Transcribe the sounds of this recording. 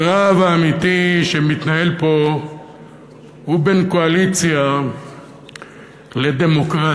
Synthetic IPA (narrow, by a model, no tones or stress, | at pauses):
ʁavaːmit̪iʃe̞mit̪nahe̞lpo̞ | hube̞nko̞alit͡sja | le̞d̪e̞mo̞kʁa